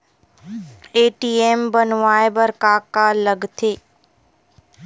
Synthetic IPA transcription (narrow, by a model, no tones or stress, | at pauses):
eːʈiːeːmbənʋaːebəɾkaːkaləɡt̪ʰeː